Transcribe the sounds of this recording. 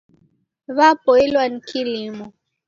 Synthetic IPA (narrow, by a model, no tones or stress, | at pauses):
βapɔilwanikilimɔ